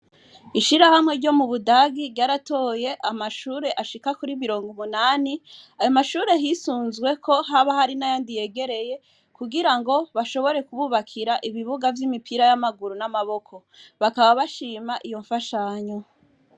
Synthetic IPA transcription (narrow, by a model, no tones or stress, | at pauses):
iʃiɾahamŋeɾɟo̞muβudaɡiɾɟaːɾato̞ːje̞ʔamaʃuːɾe̞ʔaʃikakuɾimiɾo̞ːŋɡomunaːniajomaʃuːɾe̞ɦisuːnzɡwe̞kʰoɦaβahaɾinajaːndije̞ɡe̞ɾe̞je̞ | kuɡiɾaŋɡo̞βaʃo̞βo̞ɾe̞kuβuːβakʰiɾaʔiβiβuɡavjimipʰiɾajamaɡuɾunamaβo̞kʰo̞ | βakaβaβaʃiːmaʔijo̞ɱfaʃaːɲo